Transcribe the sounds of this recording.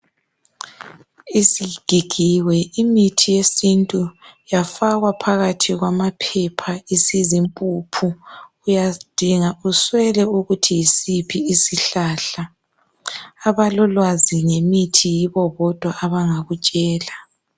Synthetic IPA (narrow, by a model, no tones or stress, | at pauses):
isiɡ̥ʱiɡ̥ʱiwɛimitʰijesintʼujafaɣwapʰaɣatʰiɣwamapʰɛpʰaisizimpʼupʰu | ujad̥ʱiŋauswɛlɛuɣutʰijisipʰiːsiɬaːɬa | βalɔlwaziŋemitʰijiβɔβɔd̥ʱwaʔːβaŋaɣut͡ʃʼɛːla